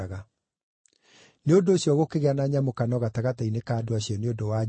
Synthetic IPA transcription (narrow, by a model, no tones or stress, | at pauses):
ɣa | neondoːɕjɔɣokeɣeanaɲamokanɔɣataɣatainekaːdoaɕiɔneondowa